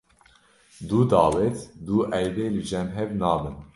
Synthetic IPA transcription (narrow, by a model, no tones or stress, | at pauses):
d̪uːd̪ɑːwɛt̪d̪uːʔɛjdeːlɨd͡ʒɛmɦɛvnɑːbɨn